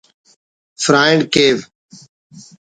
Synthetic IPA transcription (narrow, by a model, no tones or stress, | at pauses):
fɾaːɪɳkeːʋ